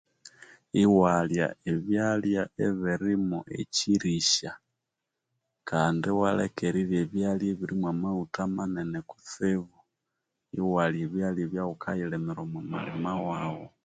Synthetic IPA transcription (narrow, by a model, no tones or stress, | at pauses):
iwalja̰eβjaljaeβiɾimuʔḛciɾiʃa | kaːndiwalḛkeɾiɾjeβjaljeβiɾimwamautamaneneku̥θeβu | ḭwaljeβjaljeβjawukʰailemiɾomama̰limawawo